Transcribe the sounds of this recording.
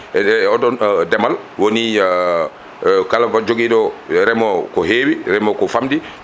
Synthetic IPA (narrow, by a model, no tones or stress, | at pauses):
ɛɔdɔndɛmal | woni | kalafad͡ʒoɡiɗɔɾɛmɔkɔheːwiɾɛmɔkɔfamdi